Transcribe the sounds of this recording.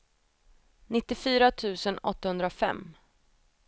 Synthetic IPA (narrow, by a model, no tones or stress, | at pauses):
nɪt̪ːɪfyːɾat̪ʰʉ̟ːsənɔ̰t̪ːahɵnd̪ɾafɛ̰mː